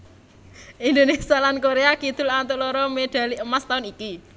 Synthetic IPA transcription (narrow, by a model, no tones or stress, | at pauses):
ʔind̪onesialankoɾeakit̪ʊlant̪olɔɾɔmeɖ̪̥a̤liəmast̪aʊniki